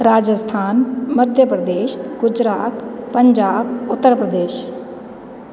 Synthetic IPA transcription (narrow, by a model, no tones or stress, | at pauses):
ɾaːd͡ʒəst̪ʰaːnməd̪ʱjəpɾəd̪eːʃɡʊd͡ʒɾaːt̪pəɲd͡ʒaːbʊt̪ːəɾpɾəd̪eːʃ